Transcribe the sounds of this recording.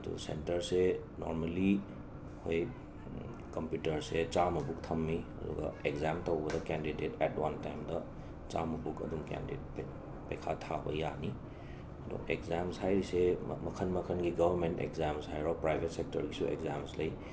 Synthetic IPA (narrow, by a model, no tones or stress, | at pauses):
ɐdṵsḛntɐɾse | no̰ɾmali | hoj | kɐmpjutɐɾset͡ʃamɐbuk̚tʰɐmːiɐ̰dṵɡɐ̰ekzamtowbɐdɐkɛndidetɛtwantajmdɐ | t͡ʃamɐbukɐ̰dumkɛ̰ndet̚p | pɐjkʰatʰabɐjani | ɐdo̰ʔekzamshajɾisemɐkʰɐnmɐkʰənɡiɡɐbɐɾmentḛkzamshajɾawpɾajbʱet̚sek̚tɐɾɡisuʔḛkzamslɐj